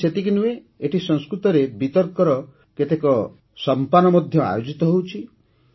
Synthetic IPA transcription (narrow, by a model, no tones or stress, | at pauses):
set̪ikinue | eʈisɔ̃ŋskɾut̪ɔɾebit̪ɔɾkɔɾɔ | ket̪ekɔ | sɔmpanɔmɔd̪ʱjɔa̰jod͡ʒit̪ɔɦewt͡ʃʰi